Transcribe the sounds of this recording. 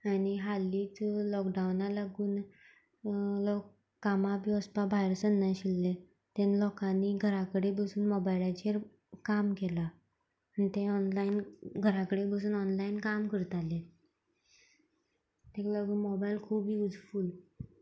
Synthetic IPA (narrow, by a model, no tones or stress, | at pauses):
añiɦalːiːt͡slɔkɖawnalaɡuːn | lɔkː | amabiːɔspabʱajɾsənːaɕilːe | t̪enlɔkãnːiɡʱəɾakəɽebəsuːnmɔbajlat͡ɕeɾ | kamkelaː | nit̪ẽɔnlainɡʱəɾakəɽebəsuːnɔnlainkamkəɾt̪ale | t̪elaɡuːnmɔbajlkʰuːbʱiːud͡zfuːl